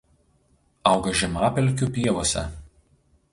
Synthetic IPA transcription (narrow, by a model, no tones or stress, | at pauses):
ɐˑʊɡɐʒʲɛmɑːpʲɛlʲˑkʲupʲiɛʋoːsʲɛ̰